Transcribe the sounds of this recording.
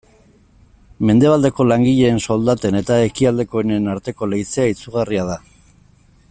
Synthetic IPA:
me̞nd̪e̞βald̪e̞ko̞laŋɡiʎe̞ːnso̞ld̪at̪e̞ne̞t̪ae̞kiald̪e̞ko̞enenaɾt̪e̞ko̞le̞it͡seait͡suɣ̞ariaða

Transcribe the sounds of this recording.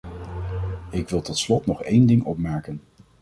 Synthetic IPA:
ɪkʋɪlˠtɔtslɔtnɔχejndɪŋɔ̰pmɛɹkən

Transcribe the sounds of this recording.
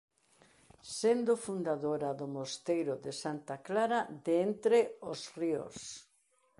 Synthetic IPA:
send̪ʊfund̪aðoɾaðʊmost̪ejɾʊðɪsant̪aklaɾad̪ent̪ɾeosrio̰s

